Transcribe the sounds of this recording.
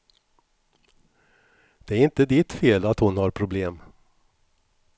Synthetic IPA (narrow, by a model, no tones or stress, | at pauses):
d̪̥ɛæɾɪnt̪əd̪ɪt̪feːlat̪hʊnhaɾpʰɾʊbleːm